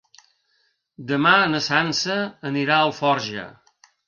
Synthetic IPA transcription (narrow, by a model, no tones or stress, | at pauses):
d̪əmaənəsansəːniɾaəlˠfɔɾʒə̰